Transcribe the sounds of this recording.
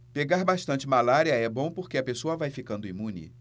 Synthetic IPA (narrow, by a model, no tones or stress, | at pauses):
peɡaɾbaʃt̪ɐ̃t͡ʃɪmalaɾiɐɛbõw̃poɾkeɐpesoɐvajfikɐ̃nd̪ʊimũnɪ̰